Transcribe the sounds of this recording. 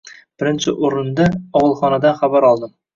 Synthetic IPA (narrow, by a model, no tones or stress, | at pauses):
b̥ɪɾɪnt͡ʃʰɪʔoɾɪnd̪aɒʁɨlˠχɒnad̪anχabaɾɒlˠd̪ɪm